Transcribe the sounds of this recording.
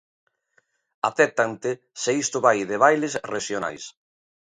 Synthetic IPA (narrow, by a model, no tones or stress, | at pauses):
a̰θɛt̪ant̪e | seist̪ʊβajðeβ̞ajlesreʃjona̰js